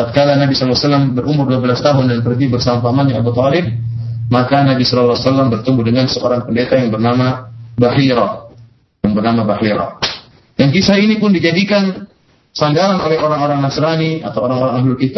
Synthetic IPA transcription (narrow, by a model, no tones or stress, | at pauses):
at̪̚kalanabisɔllasalːambəɾʔumʊrduabəlast̪aɦʊndanpərɡibərsamafamaɲaːbut̪ɔlɪb̚makanabisɔlalːasalːambərt̪umbudəŋansəʔoɾaŋpəndet̪ajaŋbərnamabaɦiɾah | jaŋbərnamabahiɾa̰ | jaŋkisahinipʊndid͡ʒadikan | saŋɡaɾanʔolɛhoɾaŋoɾaŋnasɾaniat̪awoɾaŋoɾaŋaɦlʊlkit̪a